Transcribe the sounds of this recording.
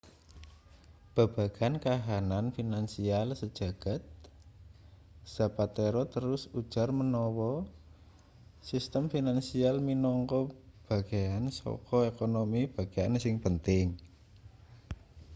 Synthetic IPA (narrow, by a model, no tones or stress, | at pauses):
b̥a̤b̥a̤ɡ̥a̤nkaɦananfinansialsəd̥ʒ̥a̤ɡ̥a̤t̪̚ | z̥a̤pat̪eɾɔt̪əɾʊsud̥ʒ̥a̤rmənɔwɔ | sist̪əmfinansialminɔŋkɔb̥a̤ɡ̥ajansɔ̰kɔekonomib̥a̤ɡ̥ajansɪŋpənt̪ɪŋ